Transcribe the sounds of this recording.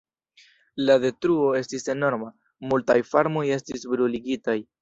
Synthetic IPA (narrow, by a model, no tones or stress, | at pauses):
lade̞tɾuo̞e̞stise̞no̞ɾma | multajfaɾmo̞je̞stisbɾuliɡitaj